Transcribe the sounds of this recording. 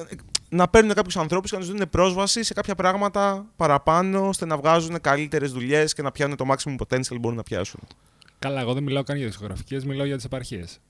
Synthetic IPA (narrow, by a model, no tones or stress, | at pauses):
nɐpe̞ɾnune̞kɐpçusɐnθɾo̞puskcent̪zðune̞pɾo̞zvɐsise̞kɐpçɐpɾɐɣmɐt̪ɐpɐɾɐpɐno̞st̪e̞nɐvɣɐzune̞kɐlit̪e̞ɾe̞zðuʎe̞sce̞nɐpçɐnunet̪o̞mɐksimopɾot̪enisɐlbounɐpçɐ̰sun | kɐlɐeɣo̞ðenmilɐokɐnʝɐðiksko̞ɣɾɐ̰fi̥cezmilɐoʝɐt̪i̥sepɐɾçees